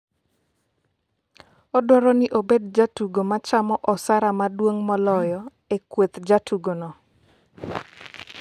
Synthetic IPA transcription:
ɔdwɔɾɔnɪʔobedd͡ʒatuɡomat͡ʃamɔʔɔsaɾamadwoŋmɔlɔjɔ | ekwet̪d͡ʒatʰuɡonɔ

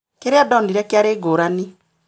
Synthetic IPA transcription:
keɾeadɔndiɾɛkeaɾeɡoːɾani

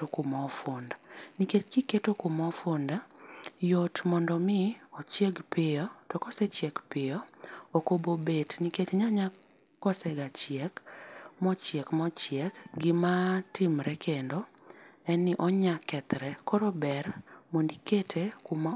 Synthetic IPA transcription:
tokʊmɔfondaniket͡ʃɡiketokomɔfondajotmɔndɔmɪɔt͡ʃjeɡpɪɔtɔkɔset͡ʃjɛkpɪjɔokobobetniket͡ʃɲaɲa | kɔsɛɡat͡ʃjɛkmɔt͡ʃjɛkmɔt͡ʃjɛkɡɪmatimɾɛkʰendo | ɛnɪʔɔɲakɛt̪ɾɛkoɾobɛrmondiketʰekuma

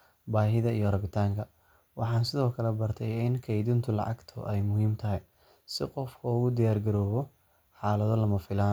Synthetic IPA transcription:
baːɦɪðɐijɔrɐβɪt̪ʰaːŋkʰɐ | wɑħɑːnsɪðɔːkʰɐlɛbɐrt̪ʰɛjɪnkʰɐjd̪ɪnt̪ʰʊlɑ̰ʕɑ̰ɡt̪ʰʊ̰ʔɛjmʊhiːmt̪ʰɐɦɛj | sɪqɔfkʰɔʊɣʊd̪ɪjaːrɡɐɾɔːβɔ | ħɑːlɐðɔlɐmɐfɪlaːn

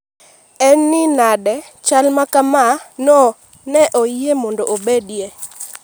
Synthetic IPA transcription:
ɛnːɪnadɛ | t͡ʃalmakamanɔ | nɛʔoemɔndɔʔobedje

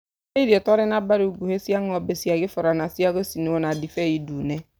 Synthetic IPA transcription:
edietɔɾɪnabaɾuuɡuhesiaŋɔbesiaɡɪfɔɾanasiaɣosiniwonadifejidune

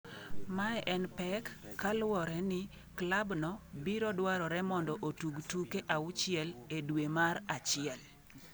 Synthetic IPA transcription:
maɛʔɛnpɛkːalwɔɾɛnɪ | klabnɔbiɾɔdwaɾɔɾɛmɔndɔʔotuɡtukeʔaʊt͡ʃɪɛledwemaɾat͡ʃɪɛl

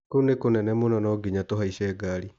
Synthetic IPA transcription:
konekonɛnɛmonɔnɔɡiɲatoɦaiɕɛɡaːɾi

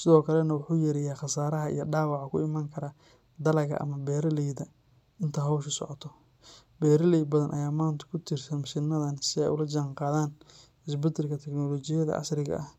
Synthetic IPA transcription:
sɪðɔːkʰɐlɛnɐwʊħuːjɛɾɪjaːχɑsaːɾɐɦɐʔḭjɔɖaːwɑʕɑkʰʊ̰ɪmaːŋkʰɐɾɐ | d̪ɐlɐɣɐ̰ʔɐ̰mɐbɛːɾɐlɛjd̪ɐ | ɪnt̪ʰɐɦɔwʃʊsɔ̰ʕɔt̪ʰɔ | bɛːɾɐlɛj̚bɐðɐnʔɐ̰jaːmaːnt̪ʰɐ̥kʰʊt̪ʰɪrsɐnsɪnɐðɐnsɪɛ̰jʊlɐd͡ʒɐŋqɑːðaːn | ɪsbɪd̪ɪlkʰɐt̪ʰɛknɔlɔːt͡ʃɪjɐðɐ̰ʔɐ̰srɪɣɐ̰ʔɐh

